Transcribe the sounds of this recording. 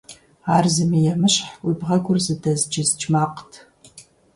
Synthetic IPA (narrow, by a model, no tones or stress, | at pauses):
aːrzɨmijɛmɨɕħwibʁɐɡʷʊrzɨdɐzd͡ʒɪzd͡ʒmaːqtʰ